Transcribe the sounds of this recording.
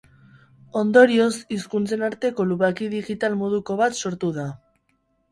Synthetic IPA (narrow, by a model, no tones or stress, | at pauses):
o̞nd̪o̞ɾio̞siskunt͡se̞naɾt̪e̞ko̞luβakiðiɣit̪almoð̞uko̞βat̪so̞ɾt̪uða